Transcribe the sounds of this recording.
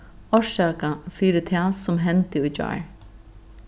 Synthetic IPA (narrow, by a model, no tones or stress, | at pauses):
ɔʃaːkafiːɾɪt̪ʰɛːsɔmɦɛnt̪ɪujt͡ɕa̰ːɹ